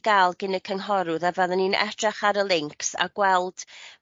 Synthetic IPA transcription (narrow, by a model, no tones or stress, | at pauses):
ɡ̥aːlˠɡɪnəkʰəŋɦɔɾʊðavaðaninʔɛ̰d̥raχaɾəlˠɪŋkʰsa̰ɡ̥wɛlˠd̥